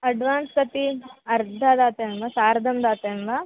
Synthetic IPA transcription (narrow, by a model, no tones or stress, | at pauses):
ɐɖʋaːnspɐt̪iɐɾd̪ʱɐd̪aːt̪ɐmʋasaːɾɐd̪ʱɐmd̪aːt̪ɐmʋa